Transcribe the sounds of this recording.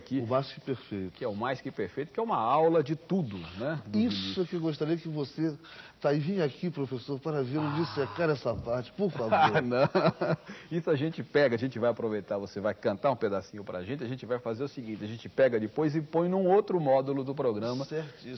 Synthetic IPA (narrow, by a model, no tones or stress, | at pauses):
kiʊmajskɪpeɾfejt̪ʊ̥kɪɛʊmajskɪpeɾfejt̪ʊ̥kɪɛũmɐawlɐd͡ʒɪt̪ud̪ʊnɛisʊkɪewɡoʃt̪aɾiɐkɪvoset̪aivĩɲakipɾofesoɾpaɾɐveɾʊd͡ʒisɛkaɾɛsɐpaɾt͡ʃɪ̥poɾfavoanɐ̃w̃ | isʊaʒẽnt͡ʃɪpɛɡɐaʒẽnt͡ʃɪvajapɾovejt̪aɾvosevajkɐ̃nt̪aɾũped̪asĩɲʊpɾɐa̰ʒẽnt͡ʃɪaʒẽnt͡ʃɪvajfazeɾʊsiɡĩnt͡ʃɪɐʒẽnt͡ʃɪpɛɡɐd͡ʒɪpojzɪpõj̃nũowt̪ɾʊmɔd̪ulʊd̪ʊpɾoɡɾɐ̃mɐsɛɾt̪is